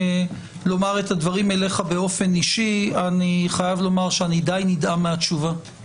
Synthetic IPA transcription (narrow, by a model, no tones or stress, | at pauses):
lo̞maʁet̪advaʁime̞leχabe̞o̞fe̞niʃianiχajavlo̞maʁʃeanid̪ajnidameat͡ʃuva